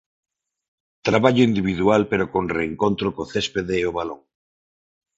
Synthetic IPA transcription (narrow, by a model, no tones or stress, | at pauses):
t̪ɾaβaʎoind̪iβ̞iðualpeɾokõnreːŋkont̪ɾokoθespeðeːoβaloŋ